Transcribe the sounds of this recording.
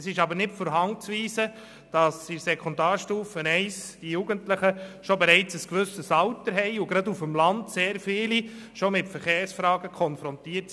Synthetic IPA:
sɪʃɑbəɾnɪtfɔːɾɦɑŋt͡sʋiːsə | d̥ɑsisɛkʰɔndaːɾʃtuːfənɛɪsd̥ijuɡ̥əntləχəʃɔbɛɾɛɪt͡səskʋɵsəsɑwtəɾɦɛɪʊɡɾɑdufəmlɑndseːɾfɪːli | ʃɔmɪtfəɾχeːɾsfɾɑːɡəkʰɔnfɾɔntiːəts

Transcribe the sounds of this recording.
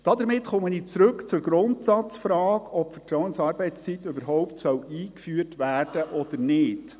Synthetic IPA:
d̥ɑd̪əɾmɪtχɔməniːt͡sɾɵkt͡sʊɾɡ̥ɾʊntsɑt͡sfɾɑːkɔpfɛtɾɔʊənsɑːɾbɛɪtst͡sit̪ːøbəɾɦɔʊptsœwiːkfyːrtʋæːrd̥əʔɔd̥əɾnɪːd̥

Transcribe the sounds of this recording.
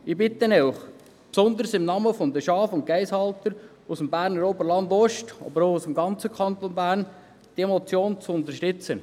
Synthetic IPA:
ibɪt̪ənɛwχ | psɔnd̪əɾsɪmnɑməfɔnd̪əʃɑːfʊnt̚kɛɪshɑlt̪əɾ | usəmbæːɾnəɾobəɾlɑnd̪ɔʃtɑ̰bəɾoʊusəmɡɑnt͡səkʰɑnt̪onbæːɾn | d̥iemɔt͡sjoːnt͡sʊnt̪əɾʃtʏt͡sə

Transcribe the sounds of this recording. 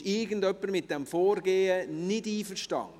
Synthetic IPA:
ɪɡəndœpːəɾmɪt̚d̥ɛmfɔːɾɡeːənɪdiːfəʃtɑ̰n

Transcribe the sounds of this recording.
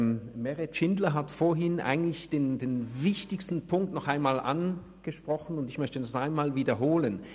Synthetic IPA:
mmɛʁɛtʃɪndlɐɦatfoːɐɦɪnʔa̰ɪɡŋ̩tlɪçd̥eːndeːnvɪçtɪçstn̩pʰʊŋk̚tnɔχaɪnmaːlʔa̰n | ɡ̥əʃpʁ̥ɔχn̩ʊndɪçmœçtədasaɪnmaːlviːdɐɦoːlən

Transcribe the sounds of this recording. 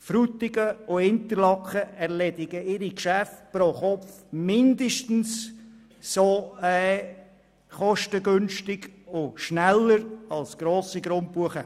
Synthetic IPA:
fɾut̪ɪɡəʊhɪntəɾlɑkχəɛʁlɛdɪɡəɪɾikʃæft̚pɾoχɔfmɪndəʃtn̩s | soɛ | χɔʃtəɡʏnʃtɪɡʊʃnælːəɾɑlsɡ̥ɾoːsiɡɾʊnt̚b̥uəχə

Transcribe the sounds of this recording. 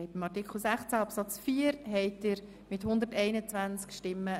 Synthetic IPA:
ɪtəmɑtikχl̩ˠsæχt͡sæɑpsɑt͡sfiːəɾɦɛɪtɪɾ | mɪthʊnd̪əɾtɛɪnət͡svænt͡skʃtɪmːə

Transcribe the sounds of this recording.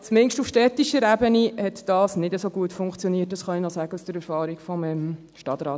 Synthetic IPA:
t͡smɪŋʃtufʃtɛtiʃəɾæbənihɛt̪d̥ɑːsnɪdəsoɡuətfʊŋkt͡sjoniət̚d̥ɑsχɑinɔsæɡəsd̥əɾɛɾfɑːɾikfɔməm | ʃtɑt̪ɾɑːt

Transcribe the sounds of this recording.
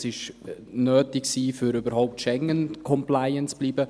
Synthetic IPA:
sɪʃnøːtɪksiːfyɾybəɾhɔʊp̚tʃɛŋənkʰɔmplaɪənt͡sb̥liːbə

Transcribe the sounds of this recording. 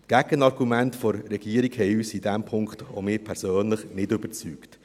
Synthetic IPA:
tɡ̥æɡənɑɾɡumɛntfɔɾːɛɡ̥iːəɾikhɛjyːsidɛmpʰʊŋkχto̰mɪːpʰɛɾsøːnləχnɪdʏb̥əɾt͡syːkt

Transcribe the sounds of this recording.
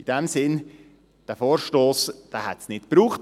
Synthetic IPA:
id̥ɛmsɪn | d̥æfoːɾʃtoːsd̥æːhɛtsnɪtpɾuːχt

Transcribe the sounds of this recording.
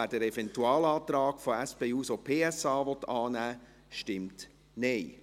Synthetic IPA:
æd̥əɾɛfɛntuɑːlɑːt̪ɾɑːkfoɛspeːuːsopʰeːɛsɑːʋɔtːɑːnæː | ʃtɪmt | neɪ

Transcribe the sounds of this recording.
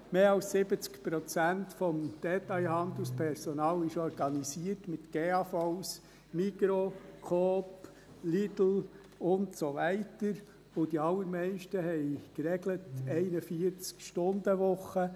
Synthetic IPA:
meːɑlssɪbət͡skpɾɔt͡sæntfɔmd̪̥ɛtɑɪɦɑnd̪l̩spʰɛɾsɔnɑːlɪʃɔɾɡɑnisiərtmɪt̪ɡ̥eːɑfɔʊs | mikɾokʰoːp | lidl̩ | ʊntsoʋɛɪtəɾ | ʊd̥iɑlːəɾmɛɪʃtəhɛɪkɾɛɡlətɛɪnəfiəɾt͡skʃtʊnd̪əʋʊχə

